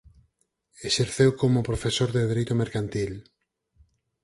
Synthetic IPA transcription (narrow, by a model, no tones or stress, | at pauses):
eseɾθewkomʊpɾofesoɾðeðeɾejt̪omeɾkant̪il